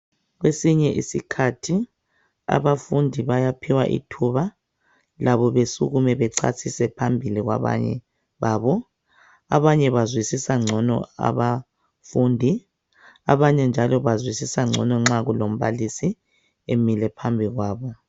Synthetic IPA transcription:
ɣwesiɲɛʔisikʰatʰi | a̰βafundʱiβajapʰiwa̰ʔḭtʰuβa | laβɔβesṵɣumɛβɛǀʰa̰sʰisɛpʰambʱiliɣwa̰βa̰ɲɛ̰ | βaːβɔ | a̰βaɲɛβazwisisaŋ͡ǀʱɔnɔ̰a̰βa | fundʱi | a̰βaɲɛnd͡ʒʱalɔβazwisisaŋ͡ǀʱɔ̰nɔŋ͡ǁaɣulom̩βa̰lisi | emilɛpʰambʱiɣwaːβɔ

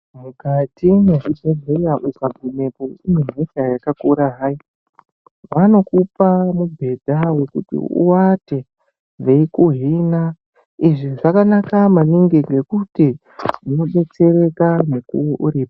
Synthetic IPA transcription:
mukatʰineʐibʱeɮʱeraʔusabʱune̞koimem̤eʃajakakuɾaɦai | ʋano̞kupamubʱe̞dʱawe̞kṵtḭṵwate | ʋeikuɦina | iʐiʐakanakamaniŋɡiŋɡe̞kuti | uno̞ɓe̞t͡se̞re̞kanekṵwoʔuɾiːpḁ

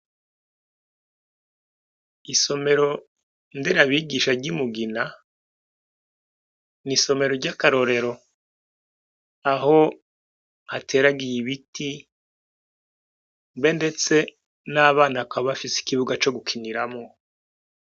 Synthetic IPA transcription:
iso̞me̞ɾo̞ | ndeɾaβiɡiʃaɾɟimuɡina | niso̞me̞ɾo̞ɾɟakaɾo̞ɾe̞ɾo̞ | aɦo̞ | hatʰe̞ːɾaɡijiβiti | mbe̞nde̞t͡se̞ | naːβaːnakaβafisi̥kiβuɡat͡ʃo̞ɡukʰiniɾamŋo

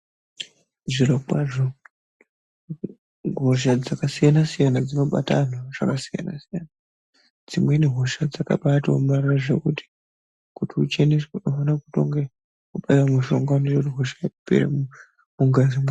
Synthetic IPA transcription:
ʐirokwaʐo | ɦoʃ̬ad͡zakasijanasijanad͡zino̞ɓa̰tanaʐ̥akasija̰na̰sijana | d͡zimweniɦo̞ʃad͡zaka̰ɓatwa̰umariraʐe̞̰kuti̥ | kutiut͡ʃenisunofanakuto̞̰ŋɡe | uɓaiwamuʃo̞ŋɡanerotiɦoʃaeupḛɾḛ | muŋɡazima

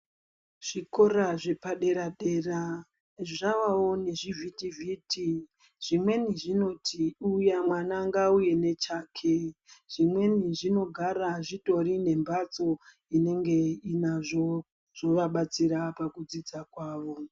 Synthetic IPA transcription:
ʐ̥iko̞raʐe̞paɗe̞ɾaɗe̞ːra | ʐaʋao̞ne̞ʐivʱitivʱiːti | ʐ̥imwe̞niʐino̞tʰiujamwanaŋɡauje̞ne̞t͡ʃaːkʰeʐ̥imwe̞niʐino̞ɡʱaɾaʐito̞rine̞mbat͡so̞ | ine̞ŋɡe̞inaʐo | ʐ̥o̞ʋaɓat͡siɾapakud͡zid͡zakwaːʋo̞

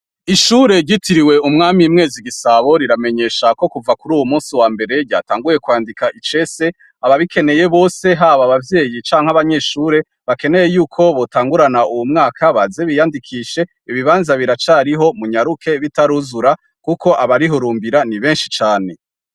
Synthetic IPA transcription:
iʃuːɾe̞ɟitiɾiwe̞umŋaːmimŋe̞ːziɡisaβo̞ɾiɾame̞ɲe̞ːʃako̞kuvakuɾuːwumuːnsiwaːmbe̞ɾe̞ɟa̰taːŋɡuje̞kwaːndikaʔit͡ʃe̞se̞ | aβaβikʰe̞ne̞je̞βo̞ːse̞ɦaβaβavje̞ːjit͡ʃaːŋ̥haβaɲe̞ʃuːɾe̞ | βake̞ne̞je̞juːkʰo̞βotaːŋɡuɾanauwumŋaːkʰaβaze̞βijandikʰiʃe̞ | iβiβaːnzaβiɾat͡ʃaɾiɦo̞muɲaɾukʰe̞βitaɾuzuɾa | kukʰo̞ʔaβaɾiɦoɾuːmbiɾaniβe̞ːnʃi̥t͡ʃaːne̞

